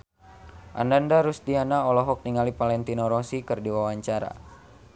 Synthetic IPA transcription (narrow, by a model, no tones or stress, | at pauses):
ʔa̰nandaɾusdianaɔlɔɦɔk̚niŋalipalɛnt̪inɔɾɔsikɨrdiwawaɲt͡ʃaɾa̰